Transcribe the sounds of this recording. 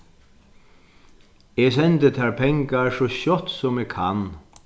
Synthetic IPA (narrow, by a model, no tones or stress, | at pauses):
ɛːsɛnt̪ət̪ʰæːɹpʰɛŋkaɹsɔɕɔt̪sɔmɛːkʰa̰n